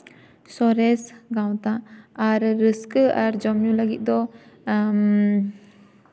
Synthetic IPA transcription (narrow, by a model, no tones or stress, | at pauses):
sɔɾɛsɡawt̪aaɾːəskəaɾd͡ʒɔmjulaɡit̪̚ˀd̪ɔ | m